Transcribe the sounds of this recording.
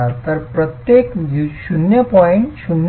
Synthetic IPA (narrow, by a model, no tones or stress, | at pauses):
aɾt̪ɐɾpɾət̪jekjuʃunjəpɔɪ̃ɳʈʃun